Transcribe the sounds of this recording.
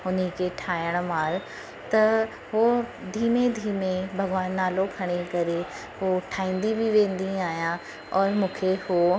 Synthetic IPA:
ʊnəkʰeʈʰaːjəɽ̃maːɾ | t̪ɐ | ɦod̪ʱiːmed̪ʱiːmẽbʱɐɡʋaːnːaːlokʰɐɽ̃ekɐɾe | ɦoʈʰaːĩːn̆d̪ibiʋẽːn̆d̪iaːɦijã | ɔːɾmũːkʰeho

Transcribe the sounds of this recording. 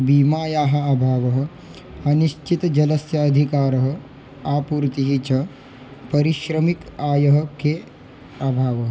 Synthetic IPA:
biːmaːjaːɦɐ̆abʱaːʋɐɦɐ̆ | ɐniʃt͡ʃit̪d͡ʒɐlɐsjɐːd̪ʱikaːɾɐɦɐ̆ | aːpuːɾt̪iɦit͡ʃɐ | pɐɾiʃɾɐmikaːjɐɦɐ̆keː | abʱaːʋɐɦ

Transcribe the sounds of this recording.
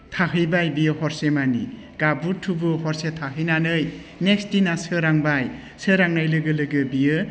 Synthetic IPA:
tʰaɦɯjbajbijɯhɔɾsemanḭ | ɡ̥abutʰubɯhɔɾsetʰaɦɯjnanɯj | nek̚stinasɯɾaŋbaj | sɯɾaŋnajlɯɡɯlɯɡɯbijɯ

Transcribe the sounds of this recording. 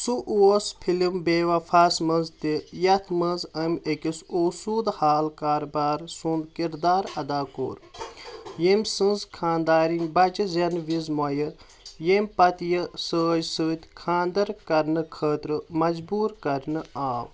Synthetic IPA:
suʔuospʰilimbeːʋafʰaːsmɐnzt̪ejɐt̪ʰmɐnzɐmʲekisoːsuːd̪haːlkaːɾbaːɾsũːnd̪kiɾd̪aːɾɐd̪aːko̰ːɾ | jemʲsɨ̃nzkʰãːnd̪aːɾinʲbɐt͡ʃɨzʲɐnʋizmojɐɾ | jemʲpɐt̪jɨsəːd͡ʒsəːt̪ʲkʰãːnd̪ɐɾkɐɾnɨkʰəːt̪ɾɨmɐzbuːɾkɐɾnɨaːʋ

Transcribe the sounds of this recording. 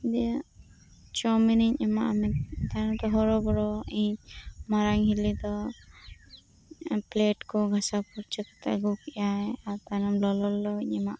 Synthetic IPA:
d̪ɛ | t͡ʃɔminiɲɛmaʔamɛt̪̚t̪anɔt̪ɔɦɔɾɔbɔɾɔiɲmaɾaŋɦilid̪ɔ | pleʈkɔɡʱasapuɾt͡ʃəkɔ̥t̪ʰa̰ɡukijajaɾt̪anɔmlɔlɔlːɔiɲɛmaʔ

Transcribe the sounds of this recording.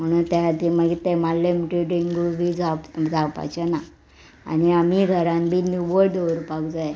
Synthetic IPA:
m̤əɽ̃uːnt̪aɦat̪iməɡit̪ːemalːemuʈiʈiŋɡubʱiːd͡zapd͡zʱapa̰t͡ɕena | a̰niamiɡʱəɾãmbʱinuʋəɽd̪oɾpakd͡zaj

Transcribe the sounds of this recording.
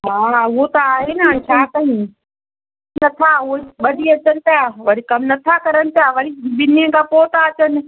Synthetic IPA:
ɦaːot̪ɐaːɦenɐt͡ʃʰaːt̪ɐɦĩː | nɐt̪ʰaoɓɐɗʱiɐt͡ɕənɪ̆t̪aʋɐɽikɐmnɐt̪ʰakɐɾənɪ̆t̪jaːʋɐɽibɪnẽkapoːt̪aːt͡ʃənɪ̆

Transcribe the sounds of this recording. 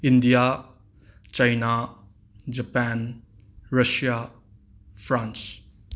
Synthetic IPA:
ind̪ija | t͡ʃajna | d͡ʒɐpan | ɾəsija | pʰɾans

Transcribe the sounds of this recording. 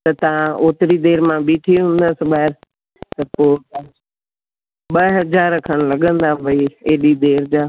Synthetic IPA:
t̪ɐt̪ɐʋ̤ãʔoːt̪ɾid̪eːɾmãbiːʈʰiɦũːn̆d̪əsɪ̆ɓaːɪɾ | t̪ɐpoː | ɓɐɦɐzaːɾəkʰəɽ̃lɐɠə̃nd̪aʋɐieːɗid̪eːɾd͡ʑaː

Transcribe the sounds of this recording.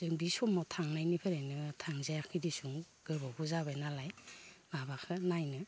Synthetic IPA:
zɯŋbisɔmɔtʰaŋnajnipʰeɾenɯtʰaŋzajakʰidisuŋ | ɡ̥ɯɾbɔbuzaβanalajbabakʰɯnajnɯ

